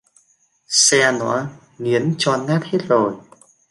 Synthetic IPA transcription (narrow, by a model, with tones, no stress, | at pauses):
sɛ˧nɔ˧˨˦ | ŋi˨˦ənt͡ɕɔ˧nŋaː˦˥t̚he˦˥t̚zo˨˩j